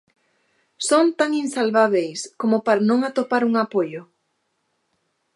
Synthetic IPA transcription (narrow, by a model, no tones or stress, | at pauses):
sont̪aŋinsalβaβ̞ejskomʊpaɾanõŋat̪opaɾuŋapojʊ